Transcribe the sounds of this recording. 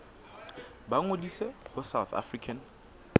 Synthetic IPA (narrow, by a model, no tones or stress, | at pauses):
baŋodisehʊsawθa̰frikʰan